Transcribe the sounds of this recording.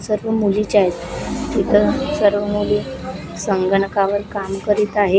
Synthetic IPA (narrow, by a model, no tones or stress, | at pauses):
səɾʋəmulit͡ɕajt̪it̪ʰəsəɾʋəmule | səŋɡəɳkaʋəɾkamkəɾiːt̪aɦe